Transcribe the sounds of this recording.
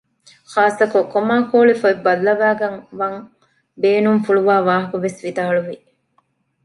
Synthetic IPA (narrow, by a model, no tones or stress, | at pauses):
xaːsɐkokːomaːkoːlifɐibɐlːɐʋæːɡɐŋʋɐŋ | beːnumfuɭuʋaːʋaːɦɐkuʋesʋid̪aːɭuʋi